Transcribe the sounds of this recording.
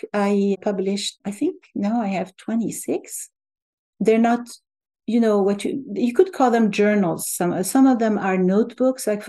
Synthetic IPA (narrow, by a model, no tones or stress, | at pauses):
aɪpʰʌblɪʃaɪθɪ̃ŋk̚naʊaɪɨv̥tʰw̥ɛ̃nisɪks | ðɛ˞nət | jɨnoʊwʌt͡ʃɨjɨkɨd̚kʰɔlˠðɛ̃md͡ʒɜ˞nl̩ˠz̥sʌ̃msʌ̃mʌvðɛ̃mə˞noʊt̚b̥ʊksaɪk